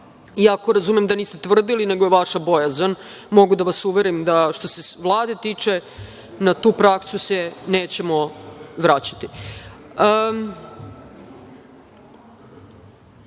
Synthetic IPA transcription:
iakoɾazumemd̪aniːst̪et̪ʋr̩d̪ilineɡo̞jeʋaʂabo̞jazan | mo̞ɡud̪aʋasuʋeɾimd̪aʃt̪o̞se̞ʋlˠaːd̪e̞t̪iːt͡ʂe̞ | nat̪uːpɾaksusene̞ːt͡ɕe̞mo̞ʋɾat͡ɕḁt̪i | ə

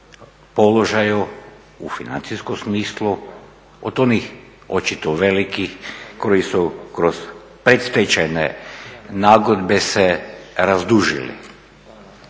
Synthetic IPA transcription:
po̞lo̞ʒaju | ufina̰nt̪siskomsmiːslˠu | o̰d̪o̞nix | o̞t͡ʃit̪oʋe̞likixko̞jisukɾoz̥ | pɾet̪st̪et͡ɕanḛnaːɡod̪beseɾazd̪uʒḭlḭ

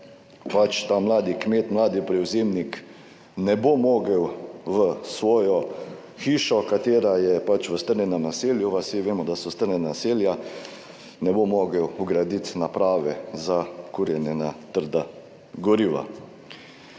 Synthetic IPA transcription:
pat͡ʃt̪aːmlaːd̪ikmeːt̪mlaːd̪ipɾɛwzeːmnik | nɛbomoːɡəwʋəsʋɔːjɔ | xiːʃɔkat̪eːɾajɛpat͡ʃʋəst̪əɾnʲɛnɛmnaseːljuʋasiʋeːmɔd̪asɔst̪əɾnʲɛnanaselja | nɛbomoːɡəwuɡɾad̪it̪napɾaːʋɛzakuɾjɛnɛnat̪əɾd̪a | ɡɔɾiːʋa̰

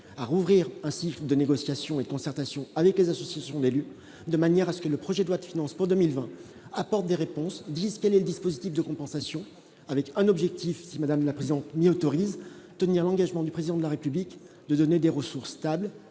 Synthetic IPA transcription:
aʁuvʁiʁɛ̃sikləd̪əneɡɔsjasjɔ̃ed̪əkɔ̃sɛʁt̪asjɔ̃avɛklezasɔsjasjɔ̃d̪ely | d̪əmanjɛʁasə̥kələpχɔʒɛd̪lwat̪əfinɑ̃spuʁd̪əmilvɛ̃ | apɔʁt̪̚d̪eʁepɔ̃sd̪izkɛlɛləd̪ispozit̪ifd̪əkɔ̃pɑ̃sasjɔ̃ | avɛkɛ̃nɔbʒɛk̚t̪ʰifsimad̪amlapχezid̪ɑ̃t̪miɔt̪ɔʁizt̪əniʁlɑ̃ɡaʒmɑ̃d̪ypχezid̪ɑ̃d̪əlaʁepyblik | d̪əd̪ɔned̪eʁəsuʁst̪abl

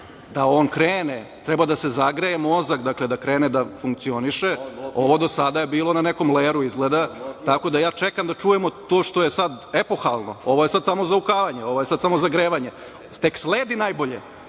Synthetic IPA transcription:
d̪ao̞ːnkɾeːnet̪ɾɛbad̪asezaɡɾejemo̞zakd̪akled̪akɾeːned̪afuŋk̚t̪sio̞niʃeo̞ʋo̞d̪o̞sad̪ajebiːlo̞naneko̞mleːɾuizɡled̪at̪ako̞d̪ajaːt͡ʂekamd̪at͡ʂujemot̪oːʂt̪o̞jesad̪epo̞xalˠno̰oʋo̞je̞sad̪samo̞zaukaːʋaɲeo̞ʋojesad̪samo̞zaɡɾeːʋaɲe | t̪eksleːd̪inajbo̞ʎḛ

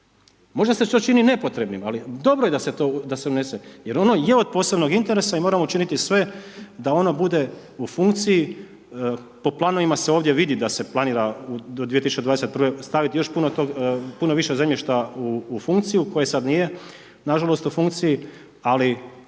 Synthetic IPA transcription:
mo̞ʒd̪aset͡ʃot͡ʃinine̞po̞t̪ɾe̞bnimalid̪o̞bɾoje̞d̪aset̪o̞d̪aseuneseje̞ɾo̞noje̞od̪̚po̞ːse̞bno̞ɡint̪e̞ɾe̞saimoɾamout͡ʃinit̪isʋe̞d̪ao̞nobud̪e̞ | ufuŋkt̪siji | po̞plˠano̞ʋimaseoːʋd̪jeʋid̪id̪ase̞planiːɾaud̪od̪iet̪isu̥t͡ʃed̪ad̪eset̪̚prʋest̪aʋit̪ijo̞ʃpunot̪oɡpuno̞ʋiʃezemʎeʃt̪auːfuŋkt̪siiuko̞jesad̪nije̞ | naʒalˠo̞st̪ufuŋkt̪siji | ali

